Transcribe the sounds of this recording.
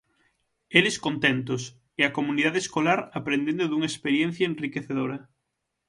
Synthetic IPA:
eleskont̪ent̪os | eakomũniðaðeːskolaɾapɾẽnd̪ẽnd̪oðuŋɐespeɾjen̟θjɐenrikeθeðoɾɐ

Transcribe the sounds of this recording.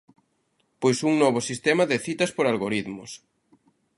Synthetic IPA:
pojsuŋnɔβ̞ʊsist̪ɛmɐðɪθit̪ɐspoɾalɣoɾiðmʊs

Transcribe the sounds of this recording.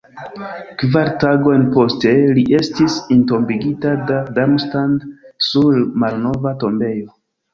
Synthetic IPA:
kvaɾtaɡo̞jnpo̞ste̞liʔe̞stisinto̞mbiɡitadadamstandsulmalno̞vato̞mbe̞jo̞

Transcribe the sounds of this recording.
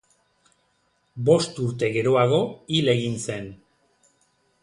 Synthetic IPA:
bo̞st̪uɾt̪̬e̞ɣe̞ɾo̞aɣo̞ile̞ɣinse̞n

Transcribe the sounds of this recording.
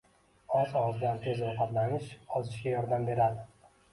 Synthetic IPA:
ɒsɒwɒzblant̪ʰe̞zɾʊqɑt̪lanɪʃɒzɪʃɡʲajɒɾd̪ambe̞ɾad̪ɪ

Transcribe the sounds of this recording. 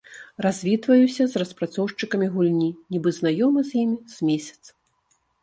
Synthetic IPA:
razʲvʲit̪vɐjusʲɐzrɐspɾat̪sɔwʂt͡ʂɨkɐmʲiɣulʲnʲinʲibɨznajɔmɐzʲjimʲiz̥ʲmʲesʲɐ̥t̪s

